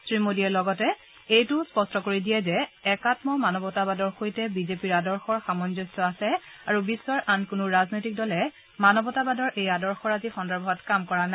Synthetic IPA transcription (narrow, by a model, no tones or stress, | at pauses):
sɹimodiɛlɔɡɔtɛ | ejtʊspɔstɔkoɹidijɛzɛɛkatmɔmanɔbɔtabadɔɹxojtɛbizepiɹadɔɹxɔɹxamɔnzɔstɔasɛaɹubisːɔɹʔankʊnʊɹaznojtik̚dɔlɛ | manɔbɔtabadɔɹʔejadɔɹxɔɹazixɔndɔɹbʱɔɦɔtkamkɔɹana